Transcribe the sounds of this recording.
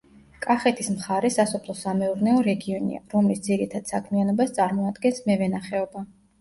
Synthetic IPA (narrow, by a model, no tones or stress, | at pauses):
kʼaχɛt̪ʰʼismχaɾɛsasɔpʰlˠɔsamɛuɾnɛɔɾɛɡiɔnḭa̰ɾɔmlisd̪ziɾit̪ʰad̪̥sakʰmianɔbast̪sʼaɾmɔad̪ɡɛnsmɛvɛnaχɛɔba